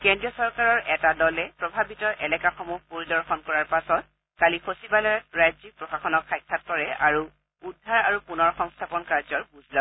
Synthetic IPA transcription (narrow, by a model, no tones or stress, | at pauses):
kɛndɹiɔsɔɹkaɹɔɹʔɛtadɔlɛpɹɔbʱabitɔʔɛlɛkaxomuhpoɹidɔɹxɔnkɔɹaɹpasɔt̚ | kalixosibalɔɹajzipɹɔxaxɔnɔkxajkʰːat̚kɔɹɛaɹu | udʱːaɹaɹupunɔɹxɔŋstʰapɔnkaɹzɔɹbuzʱza